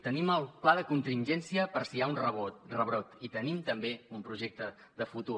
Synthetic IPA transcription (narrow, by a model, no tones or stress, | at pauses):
t̪əniməlˠplaðəkunt̪inʲʒɛnsiəpəɾsiaunrəβorəβɾot̪it̪ənimt̪əmbeumpɾuʒek̚t̪ə | ðəfut̪u